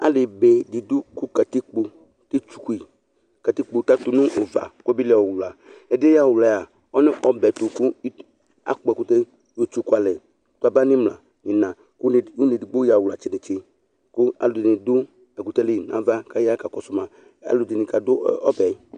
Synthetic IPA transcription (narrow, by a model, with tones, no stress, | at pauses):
a̰˦lɪ˨be˨di˨dʊ˦ku˦ka˨ti˦k͡po˨ | te˦t͡ʃu̥˨ku˦i˨ | ka˨ti˦k͡po˨ta˦tʊ˦nʊ̃˦ʔo˨va̰˨kbi˦lɛ˨ɔ˨wla˨ɛ˨dɪ˦ja˦˨wʊ˨la˨ja˨ | ɔ˦nɪ˦ʔɔ˦bɛ˨tʊ˨kʊ˦ | a̰˨k͡pɔ˨ɛ˨ku˦te˦ | jo˨t͡ʃu˦kʷa˨lɛ˨˦ | tʊ˦a˨ba˦nɪ˦mla̰˨ | ɲɪ˨nã˨ | kʊ˦˨u˦ni˨dɪ˨ɡ͡bo˦ja˨wla˨t͡ʃɪ˦nɪ˨t͡ʃɪ˦ | kʊ˦a̰˨lʊ˨dɪ˨nɪ˨dʊ˦ | ɛ˨ku˨tɛ˦le˦˨na̰˨va˦ka˦ja˦ka˨kɔ˨sʊ˨ma˨ | a̰˨lʊ˨dɪ˨nɪ˨ka˨dʊ˦ɔ˦bɛ˨˦